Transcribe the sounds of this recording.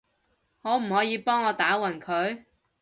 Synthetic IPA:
ŋɔː˨˥m̩˨˩hɔː˨˥jiː˨˧pɔː˥ŋɔː˨˧t̪aː˨˥wɐ˨˩nkʰɵ˨˧ɥ

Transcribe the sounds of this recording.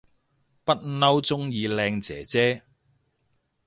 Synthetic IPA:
pɐ˥t̚nɐ˥wt͡sʊ˥ŋjiː˧lɛː˧ŋt͡sɛ̰ː˨˩t͡sɛː˥

